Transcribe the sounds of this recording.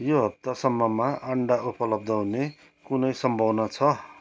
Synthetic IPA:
joɦʌp̚t̪asʌmːʌmaʔʌɳɖaupʌlʌb̚d̪ʱʌɦune | kunʌjsʌmbʱʌwnʌt͡sʰʌ

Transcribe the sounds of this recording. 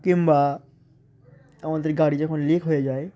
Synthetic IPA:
kɪ̃mba | ɐmãd̪ɾiɡaːɽid͡ʒɔkʰonleːkʰɦoed͡ʒaːe

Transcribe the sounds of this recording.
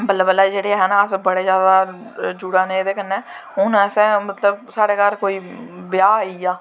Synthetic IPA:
mət̪ləbəlaːd͡ʒeːɽeːɦɛːnaːəsbəɽeːzjaːd̪aːd͡ʒuːɽaːnẽːd̪eːkənːeːɦʊnɛːsɛ̃ːmət̪ləbsaːɽeːkəɾkoːiːbɪjaːaːiːaː

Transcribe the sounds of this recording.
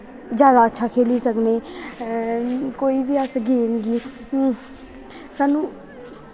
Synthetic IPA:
d͡ʒjaːd̪aːətːʃʰaːkʰeːliːsəkneː | koːiːʋiːəsɡeːnɡiː | saːnũː

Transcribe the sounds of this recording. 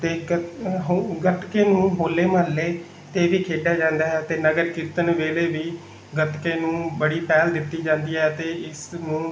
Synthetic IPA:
t̪eːɦɡəʈ̪keːnũːɦoːlːeːməlːeː | t̪eːʋiːkʰeːɖjaːd͡ʒãːnd̪aːɦɛːt̪eːnəɡəɾkɪt̪ənʋeːleːʋiː | ɡəʈ̪keːnũːbəɽiːpɛːld̪ɪt̪ːiːd͡ʒãːnd̪iːɦɛːt̪eːɪsnũː

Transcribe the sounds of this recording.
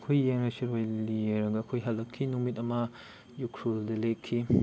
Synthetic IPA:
kʰojːeŋɾɐsiɾojlieɾɐŋɡɐːkʰojɦɐlːɐkʰːinumit̬ɐmɐ | jukʰɾuldɐlekʰːi

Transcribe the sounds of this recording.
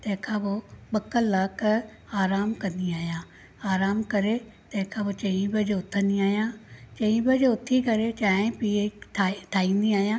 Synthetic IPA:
t̪ẽːkʰãːboɓəkːəlːak | aːɾaːmkɐ̃nd̪iaːjãː | aːɾaːmkɐɾeː | t̪ẽːkʰãboːt͡ʃə̃ĩbɐd͡ʒoʊt̪ʰːəniaːjãːt͡ʃə̃ĩːbɐd͡ʒoʊt̪ʰːikəɾet͡ʃaːẽpiːeʈʰaʈʰaːĩːnd̪iaːjãː

